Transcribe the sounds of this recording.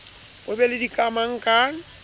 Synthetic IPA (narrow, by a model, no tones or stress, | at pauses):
bobɛlɪdikʼamaŋ̩kʼaŋ